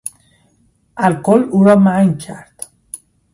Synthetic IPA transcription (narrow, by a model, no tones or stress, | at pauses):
ʔælqoluːɾɒːmæŋcʰæɾd̪̥